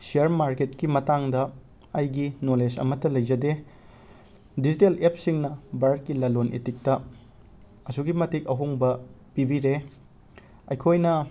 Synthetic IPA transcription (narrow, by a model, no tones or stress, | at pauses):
siɐɾmaɾket̚kimɐtaŋdɐ | ɐjɡinolesɐ̰mɐtːɐlɐjd͡ʒɐde | dizitelep̚ʰsiŋnɐbɐɾd̚kːilɐlonʔḭtik̚tɐ | ɐsuɡimɐtik̚ɐɦuŋbɐpibiɾe | ɐjkʰojnɐ